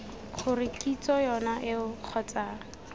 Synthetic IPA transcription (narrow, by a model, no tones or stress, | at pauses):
χʊrɪkʼit͡sɔjɔnaʔɪʊq͡χʰɔt͡saːŋ̩